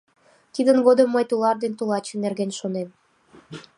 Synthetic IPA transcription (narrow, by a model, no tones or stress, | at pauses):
t̪id̪ənɡod̪əmːɤjt̪ulˠɑrd̪ent̪ulˠɑt͡ɕə̆nːerɣenʲʃonem